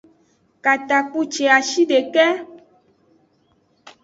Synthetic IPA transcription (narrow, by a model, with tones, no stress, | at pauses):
ka˨t̪a˨k͡pu˦t͡ʃe˨a˨ʃi˦ɖe˨kɛ˦